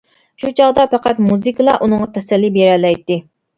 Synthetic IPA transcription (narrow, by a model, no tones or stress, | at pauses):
ʃut͡ʃʰɑʁd̪ɑpɑqæt̪muzɨkʰɨlˠɑ̰ʔunɨŋʁɑt̪ʰɛsɛlːibeɾɛlɛjt̪ːɪ